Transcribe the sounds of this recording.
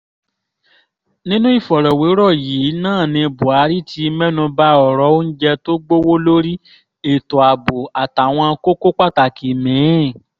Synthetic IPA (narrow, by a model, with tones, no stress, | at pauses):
nĩ˦nũ˦i˦˨fɔ˨ɾɔ˨we˨˦ɾɔ˦˨ji˨˦nãː˦˨nĩ˧˨bu˨a˨˦ɾi˦ti˧˦mɛ˦nũ˧ba˦ɔ˦˨ɾɔ˨˦o˦n̩˦d͡ʒɛ˧to˦ɡ͡bo˦wo˦lo˦ɾi˦ | e˨to˨a˨bo˨a˨ta˨w̃ɔ̃˧ko˦ko˦k͡pa˦˨ta˨ki˨mĩ˨˦˨